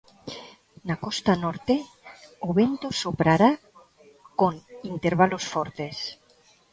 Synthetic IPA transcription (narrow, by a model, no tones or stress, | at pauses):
nakost̪anoɾt̪e | oβent̪osopɾaɾa | koŋint̪eɾβalosfoɾt̪es